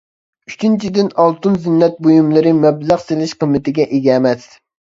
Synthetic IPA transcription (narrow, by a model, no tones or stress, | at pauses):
yt͡ʃʰint͡ʃʰid̪ɪnɑlˠt̪unzɪnːɛt̪̚bojumlˠɨɾɪmɛblæχselɪʃqəmːɨt̪ɪɡʲɛʔeɡʲɛmɛs